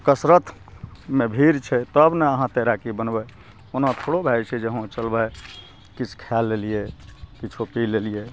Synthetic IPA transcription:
kəsɾət̪ʰ | mebʱiɾt͡ʃʰɛt̪əbneəɦãt̪eɾakibənbɛ | onãt̪ʰoɽobʱajt͡ʃʰɛd͡ʒeɦõt͡ʃəlbə | kit͡ʃʰkʰalːelijekit͡ʃʰupilelije

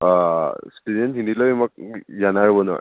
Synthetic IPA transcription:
stedɔnɦinilɔmak̚zanaɹbɔnɔ

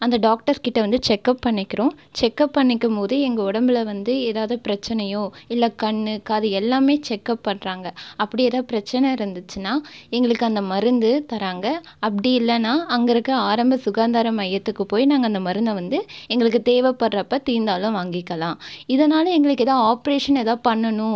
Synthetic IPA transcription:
ɐnd̪ɐɖaːk̚ʈɐɾkɪʈːɐʋɐnd̪ɯt͡ʃɛkːɐpːɐɳːɪkːɪɾõːt͡ʃɛkːɐpːɐɳːɪkːɯmpoːðɯɛŋɡɐɔɽɐmbɪlɐʋɐnd̪ɯeːðaːʋðɯpɪɾɐt͡ʃːɐnɐjõːɪlːɐkɐɳːɯkːɐðɯɛlːaːmeːt͡ʃɛkːɐpːɐɳɾaːŋɡɐɐpːɐɽɪjɛːðaːpɪɾɐt͡ʃːɐnɐɪɾɯnd̪ɯt͡ʃːɯnaːɛŋɡɐɭɯkːɯɐnd̪ɐmɐɾɯnd̪ɯt̪ɐɾaːŋɡɐ | ɐpːɐɽɪjɪlːɐnːaːɐŋɡɐɭɯkːɯaːɾɐmbɐsʊɣaːnd̪aːɾɐmɐjɐt̪ːɯkːɯpoːjinaːŋɡɐnd̪ɐmɐɾɯnd̪ɐʋɐnd̪ɯɛŋɡɐɭɯk̬ːɯt̪eːʋɛpːɐɽːɐpːɐt̪iːnd̪aːlʊ̃ʋaːŋɡɪkːɐlãːɪðɐnaːlɐɛŋɡɐɭɯkːɛːðãːaːpɐɾeːʂɐnɛðãːpɐɳːɐnʊ̃

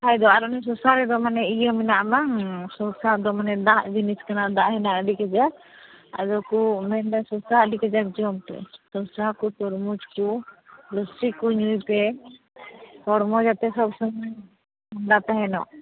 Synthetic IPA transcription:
hajd̪ɔaɾɔnɛs̬ɔsaɾɛd̪ɔmanɛijɔminaʔbaŋsɔsad̪ɔmanɛd̪aʔd͡ʒiniskanad̪aʔhɛnaʔɖikɛd͡ʒa | a̰d͡ʒɔkumɛnɖasɔsaɖikɛd͡ʒak̚d͡ʒɔmp̪ɛ̰sɔsakut̪ɔɾmud͡ʒkulɔsikuɲujp̪ɛ | hɔɽmɔd͡ʒat̪ɛsɔbsɔmaj | mɔnɖat̪aɦɛnɔ̰ʔ

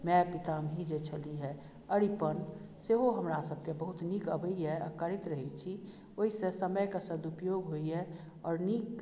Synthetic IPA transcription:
mɛ̃pɪt̪amʱid͡ʒet͡ʃʰəliɦɛ | əɾipən | seɦoɦəmɾasəb̚ʱkebəɦʊt̪nikəbəiɦɛə̰kəɾɪt̪ɾəɦit͡ʃʰi | oɦisesəməjkasəd̪upjoːɡɦoiɦɛ | ɔːɾnik

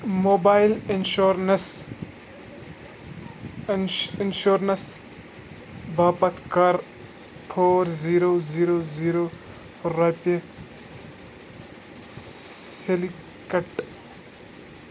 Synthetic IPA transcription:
moːbaːilinʃoɾnes | inʃoɾnɐs | baːpɐt̪kɐɾ | ʈʰoːɾziɾoziɾoziɾo | ɾape | seli | kɐʈ

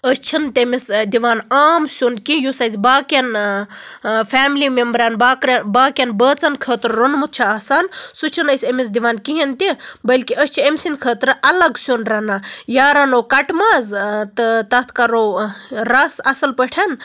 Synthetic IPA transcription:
əst͡ʃʰint̪emisd̪iʋaːnaːmsʲonkijusɐjzʲbaːkɐn | fʰaːmlimembɾaːnbaːkɾbaːkʲɐnbəːt͡sɐnkʰəːt̪ɾɾonmut̪̚t͡ʃʰaːsaːnsut͡ʃʰɐnəjsʲemis̬d̪iʋaːnkiɦint̪ibɐlʲkiʔəsʲt͡ʃʰiemsinkʰəːt̪ɾɨʔɐlɐɡsunɾɐnajaːɾanoːkɐʈmaːzt̪ɨt̪ɐt̪ʰkaɾoɾasɐsɐlpəʈʰan

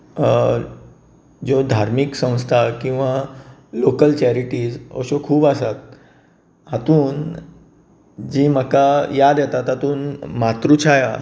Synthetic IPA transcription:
d͡zod̪ʱaɾmiksə̃w̃st̪ʰakĩw̃ʋalokəlt͡ɕɛɾiʈiːd͡zɔ̰ɕokʰuːbasat̪̚ | at̪uːn | d͡ʑiːməkajad̪jɛt̪at̪at̪uːnmat̪ɾut͡ɕʰaja

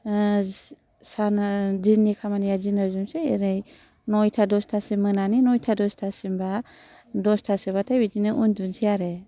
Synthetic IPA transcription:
sandinikʰamanijazinawzumseɾɯj | nɔjtʰadɔstʰasimːɯnaninɔjtʰadɔstʰasimba | dɔstʰasibatʰajbidinɯʔundunsʰijaɾe

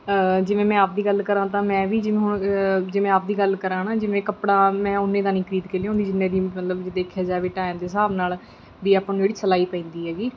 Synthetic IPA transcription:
d͡ʒɪʋẽːmɛ̃ːaːp̚d̪iːɡəlkəɾãːt̪ãːmɛ̃ːʋiːd͡ʒɪʋẽːɦʊɳd͡ʒɪʋɛ̃ːaːp̚d̪iːɡəlkəɾãːnãːd͡ʒɪʋẽːkəpɽaːmɛ̃ːʊnːẽːd̪aːnĩːkʰɾiːd̪keːlːãːõːnd̪iːd͡ʒɪnːẽːd̪iːmət̪ləbd͡ʒɪd̪eːkʰjaːd͡ʒaːʋeːʈaːjãːd̪eːsaːbnaːl | d̪iːaːpnũːd͡ʒeːɽiːsəlaːiːpɛ̃ːnd̪iːɦɛːɡiː

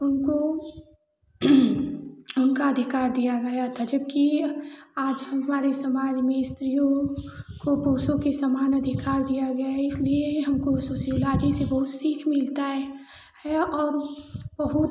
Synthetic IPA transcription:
ʊnko | ʊnkaɐd̪ʱɪkaːɾd̪ijaɡɐjat̪ʰːad͡ʒɐb̚ki | aːd͡ʒɦəmɦɐmaːɾesɐmaːd͡ʒmẽɪst̪ɾijõkopoːsõkesəmaːnɐd̪ʱɪkaːɾd̪ijaɡɐjaɦɛɪslieɦɐmkosoːsiolaːd͡ʒisebɐɦʊt̪siːkʰmɪlt̪aɦɛ | hɛɔːɾb̥ɐɦʊt̪

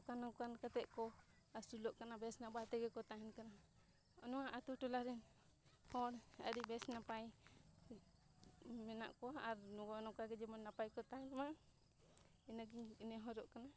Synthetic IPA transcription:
kanɔkankat̪ɛʔkɔ | asulɔʔkanabɛsnabat̪ɛɡɛkɔt̪aɦɛnkana | ɔ̰nɔwaʔat̪uʈɔlaɾɛn | hɔɽə̰ɾibɛsnapaj | mɛna̰ʔkɔaːɾnɔɡɔnɔkaɡɛd͡ʒɛmɔnːapajkɔt̪aɦɛnma | ɛnaɡiɲnɛɦɔɾɔʔkana

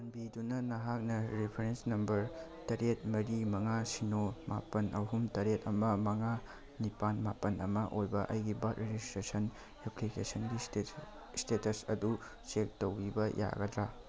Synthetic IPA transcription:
ɐnbidunɐnɐɦak̚nɐɾipʰɐɾensnɐmbɐɾtɐɾet̚mɐɾimɐŋasinoma̰pɐnʔɐɦumtɐɾetɐmɐmɐŋa | nipanmapɐnɐmɐʔojbɐʔɐjɡibat̚ɾed͡ʒistɾesɐn | eplikesɐnɡi | stetɐsɐ̰du | t͡ʃek̚towɾibɐjʔa̰ɡɐdɾa

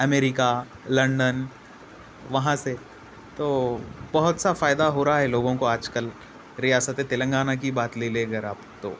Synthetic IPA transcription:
ɐmeːɾɪka | lɐ̃ɳɖən | ʋɐɦãse | t̪oːbɐɦʊt̪safaːɪd̪aɦoːɾaɦaɦɛloːɡõkoaːd͡ʒkəl | ɾijaːsət̪ẽt̪ɪlə̃ŋɡaːnak̬ibaːt̪leleɐɡəɾaːpt̪o̰ː

